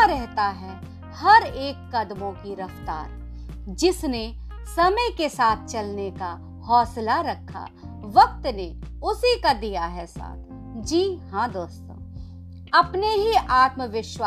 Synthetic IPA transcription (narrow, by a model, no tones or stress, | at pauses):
ɾɛɦt̪aɦɛ | hɐɾeːkːɐd̪mõkiɾɐft̪a̰ːɾ | d͡ʒɪsne | sɐməjkesaːt̪̚ʰt͡ʃɐlneka | hɔːslaɾɐkʰːa̰ | ʋɐk̚t̪ne | ʊsikad̪ijaɦɛsa̰ːt̪ʰ | d͡ʒiːhãːd̪oːst̪õ̰ː | ɐpneɦiʔaːt̪məʋɪʃwaː